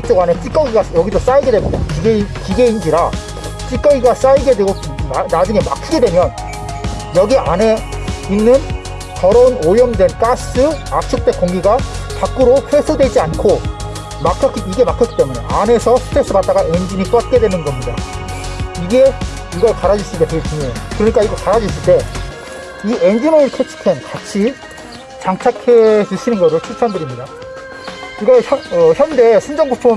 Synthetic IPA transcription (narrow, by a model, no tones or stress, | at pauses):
ik̚t͡ɕ͈eɡanet͡ɕ͈ik͈ʌɡiɡajʌɡisʰos͈aiɡe̞dweɡkiɡekiɡe̞ind͡ʑiɾa | t͡ɕ͈ik͈ʌɡiɡas͈aiɡe̞dweɡok | nad͡ʑuŋe̞ma̰kʰiɡedwe̞mjʌn | jʌɡiʔane̞inːɯn | kʌɾʌunojʌmdwe̞nk͈as͈ɯak̚t͡ɕ͈ʰuk̚t͈e̞k͈oŋɡiɡakak͈ɯɾoɸwe̞sʰudwe̞d͡ʑiankʰo | makʰjʌk͈iiɡe̞makʰjʌk͈ːi̥t͈e̞mune̞̰ʔane̞sʰʌsʰɯ̥tʰes͈ʰɯbat̚t͈aɡaʔend͡ʑinit͈ʌat̚k͈e̞dwe̞nɯnɡʌmɲida | iɡe̞ | iɡʌɭkaɾad͡ʑis͈ɯɭteteit͡ɕuŋokɯɾʌɲik͈aiɡekaɾad͡ʑis͈ʰɯɭt͈e̞ | iend͡ʑinoɾɯɭkʰet͡ɕʰi̥kʰenkat͡ɕʰi | t͡ɕaŋt͡ɕʰakʰe̞d͡ʑɯɕʰinɯnɡʌoɕʰiɭt͡ɕʰandɯɾimɲida | iɡʌçjʌnʌçjʌnde̞sʰɯnd͡ʑʌŋɡut͡ɕʰon